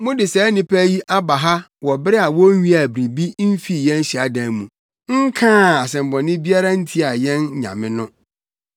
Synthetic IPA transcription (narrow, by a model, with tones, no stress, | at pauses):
mʊ̃˦dɪ˨sɛː˨˦nɪ̃˦pʰæ˦ji˦ʔa˦ba˨ɦa˦ | wɔ˨bɪ˦ɾɪ˦a˨wɔ˦ɥĩ˦a˨bɾi˨bi˦m̩˦fi˦˨jɛ̃˦n̩˦ɕi˨a˨˦dã˨nmṵ̃˨ | ŋ̩˦kʰãː˦a˨sɛ̃˨m̩˨bɔ̃˨nɪ̃˦bi˦a˦ɾa˦n̩˦tʰi˦a˨jɛ̃˦nɲã̰˨mɪ̃˦nʊ̃˦